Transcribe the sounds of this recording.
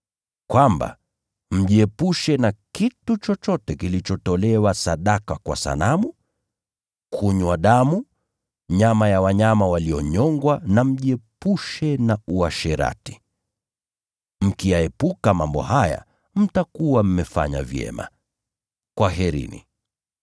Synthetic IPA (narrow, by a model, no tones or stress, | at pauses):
kwamba̰ | m̩ʄiɛpuʃɛnakitut͡ʃɔt͡ʃɔtɛkilit͡ʃɔtɔlɛwasaɗakakwa̰sa̰namu | kʰuɲwaɗamu | ɲamajawaɲamawaliɔɲɔŋɡwanam̩ʄiɛpuʃɛnauaʃɛɾa̰ti̥ | m̩kijaɛpukamambɔ̰haja̰ | m̩takuwam̩mɛfa̰ɲa̰vjɛ̰ma̰ | kwaɦɛɾḭnḭ